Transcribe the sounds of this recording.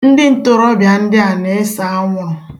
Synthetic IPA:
n̩˦dɪ˦n̩˦tʊ˨ɾɔ˦bja˨n̩˦dɪ˦a˨ne˨e˦sa˨a˦ŋʷɔ˨

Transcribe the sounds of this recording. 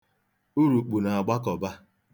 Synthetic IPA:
u˦ɾu˨k͡pu˨na˨a˨ɡ͡ba˦kɔ˨ba˦

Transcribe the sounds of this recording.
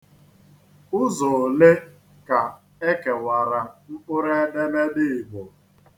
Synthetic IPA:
ʊ˦zɔ˨le˦ | ka˨ | e˦ke˨wa˨ɾa˨ŋ͡m̩˦k͡pʊ˦ɾe˦de˦me˦dɪ˦˨ɪ˨bo˨

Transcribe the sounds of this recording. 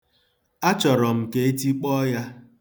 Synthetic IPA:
a˦t͡ʃɔ˨ɾɔ˨m̩˨ke˦e˦ti˦k͡pɔ˦ja˦

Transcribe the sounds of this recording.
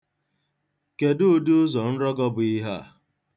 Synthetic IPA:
ke˨dʊ˦du˦zɔ˨n̩˦ɾɔ˦ɡɔ˦bʊ˨i˦ɦa˦˨

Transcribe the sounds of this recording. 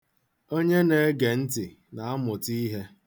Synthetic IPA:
o˦ɲe˦ne˨˦ɡe˨n̩˦tɪ˨ | na˨a˦mʊ˨ti˦ɦe˦

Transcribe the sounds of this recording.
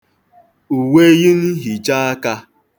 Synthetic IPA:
u˨we˦ɣɪ˦n̩˦ɦi˨t͡ʃa˦a˦ka˦

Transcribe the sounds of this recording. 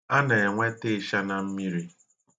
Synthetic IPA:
a˦ne˨e˨ŋʷe˦te˦ʃa˦na˨m̩˦mi˦ɾi˦

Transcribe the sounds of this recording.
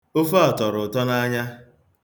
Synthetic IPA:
ʊ˦fɔ˨tɔ˨ɾʊ˨tɔ˦na˦ɲa˦

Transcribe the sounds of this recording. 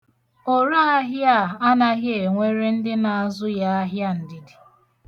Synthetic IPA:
o˨ɾa˦a˦ɦja˦˨a˦na˦ɣɪ˦e˨ŋʷe˦ɾe˦n̩˦dɪ˦na˨a˨zʊ˦ja˦a˦ɦja˦n̩˨dɪ˨dɪ˨

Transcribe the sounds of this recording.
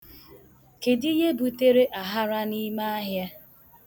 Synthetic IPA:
ke˨di˦je˦bu˨te˦ɾe˦ʔa˨ɦa˦ɾa˦ni˦ma˦a˦ɦja˦

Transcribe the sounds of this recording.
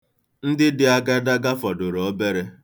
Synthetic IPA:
n̩˦dɪ˦dɪ˨a˦ɡa˦da˦ɡa˦fɔ˨dʊ˨ɾɔ˨˦be˦ɾe˦

